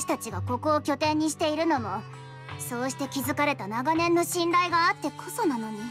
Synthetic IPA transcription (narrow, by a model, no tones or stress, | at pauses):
ɕi̥t̪at͡ɕiɡako̞ko̞ːkʲo̞t̪ẽ̞ɲ̟ːiɕ̬i̥t̪e̞iɾɯ̟no̞mo̞ | so̞ːɕi̥t̪e̞kʲizɨkaɾe̞t̪anaɡanẽ̞nːo̞ɕĩnɾaiɡaːt̪ːe̞kʰo̞so̞nano̞ɲ̟i